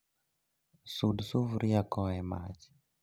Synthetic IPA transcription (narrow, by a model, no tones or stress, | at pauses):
sudsuvuɾiakɔɛma̰ti̥